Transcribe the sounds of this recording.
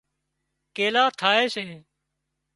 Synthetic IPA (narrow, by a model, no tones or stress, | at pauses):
keːlaːt̪ʰaːeːseː